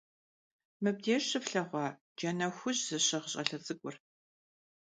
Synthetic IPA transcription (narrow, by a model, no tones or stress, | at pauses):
mɨb̚deːɕɨfɬɐʁʷɑː | d͡ʒɐnɐxʷʊʑzɨɕɐʁəɕʼɐɬɐzʼɨkʷʼʊr